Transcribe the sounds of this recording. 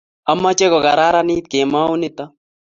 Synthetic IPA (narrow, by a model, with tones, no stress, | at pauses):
a˦mːa˦t͡ʃɛ˦kɔ˨ka˨ɾa˦ɾa˦ni˦t̪̚ke˨ma˦u˦nɪ˦t̪a˦